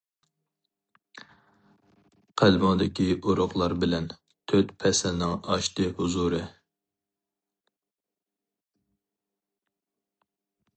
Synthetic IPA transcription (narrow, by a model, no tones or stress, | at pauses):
qʰælmɑŋd̪ɪkʲiʔoɾʊχlˠɑɾbɪlɛn | t̪ʰøt̪pʰɛsɛlnɪŋɑʃt̪ɨhuzuɾɨ